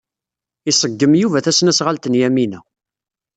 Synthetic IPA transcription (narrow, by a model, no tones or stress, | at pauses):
isˤəɡːəmjuvæθæsnæsʁalt̪ənjæminæ